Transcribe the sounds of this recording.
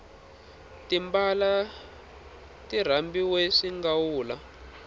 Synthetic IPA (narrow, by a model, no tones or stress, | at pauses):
timbala | tir̤ambiweʂiŋɡawuːla